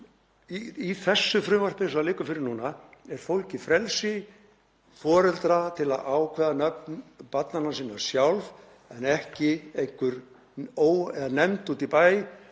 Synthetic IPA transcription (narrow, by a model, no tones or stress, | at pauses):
iiθɛsːʏfɾʏːmar̥pɪnsalɪːkʏfɪɾɪɾnuːnaɛɾ̥fowlcɪfɾɛlsɪ | fɔːɾɛlt̪ɾat̪ʰɪla̰ðaːwkʰvɛːðanœpnpat̪nanːasiːnaɾsjawlv | ɛnɛhcɪejŋ̥kʏɾ | oːwɛðanɛmt̪uːt̪ɪpaːj